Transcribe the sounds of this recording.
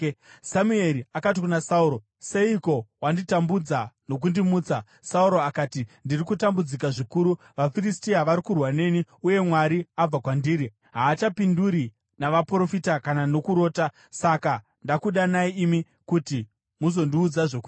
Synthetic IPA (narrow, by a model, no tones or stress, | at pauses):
samue̞ɾiakat̬ikunasauɾo̞ | seiko̞wanditambud͡zano̞k̬undimuːt͡sa | sauɾo̞akaːtindirikutambud͡zikaʐikuɾu | ʋafiristiɦaʋaɾikurwane̞niuje̞mwaɾiab͡vakwandiːɾi | ɦaːt͡ʃapinduɾi | naʋapro̞fitakanano̞kuɾo̞ːta | saka | ndakuɗanaiːmi | kuti | muzo̞ndiuːd͡zaʐoku